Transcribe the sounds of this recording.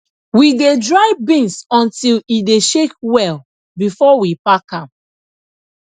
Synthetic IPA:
widedɹaɪbĩnsɔ̃ntilideʃek̚wɛl | bifɔwipakãm

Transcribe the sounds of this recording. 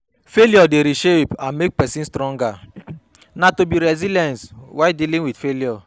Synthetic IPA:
feljɔdeɾiʃepãnmek̚pɛsĩnstɾɔ̃ŋɡa | natobiɾɛzilɛ̃nswadilĩŋwidfeljɔ

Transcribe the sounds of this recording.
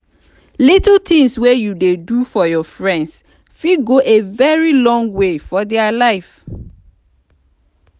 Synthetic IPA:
litlt̪ĩŋswejudedufɔjɔfɹɛ̃nds | fiɡoʔevɛɹilɔ̃ŋɡwefɔdɛalaɪf

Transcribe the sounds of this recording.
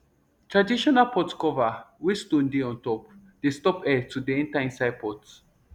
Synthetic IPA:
tʰɹadiʃɔnalpɔtkɔvawistũndeɔ̃ntɔp̚ | d̥estɔpɛtudeɛ̃ntaɛ̃nsaj̚pʰɔt

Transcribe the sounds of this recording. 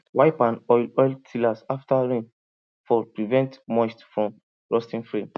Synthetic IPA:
waɪpãnɔltʰilasaftaɹẽn | fɔpɹivɛ̃ntmɔstfɹɔ̃m | ɹɔstĩŋfɹẽm

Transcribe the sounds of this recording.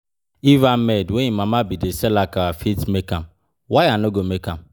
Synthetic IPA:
ivammedweɲimamabideselakaafitmekam̩ | wajanoɡomekam̩

